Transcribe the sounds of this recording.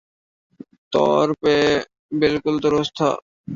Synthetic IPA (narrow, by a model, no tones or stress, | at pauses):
t̪ɔ̰ɾpe | bilkuld̪ɔɾost̪ʰa̰